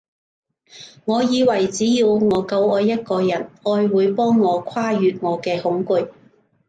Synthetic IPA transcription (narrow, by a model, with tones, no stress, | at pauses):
ŋɔː˨˧jiː˨˧wɐ˨˩jt͡siː˨˥jiː˧wŋɔː˨˧kɐ˧wɔː˧jːɐ˥t̚kɔː˧jɐ˨˩nɔː˧jwuː˨˧jpɔː˥ŋːɔː˨˧kʷʰaː˥jyː˨˧t̚ŋɔː˨˧kɛː˧hʊ˨˥ŋkʊ˨˧j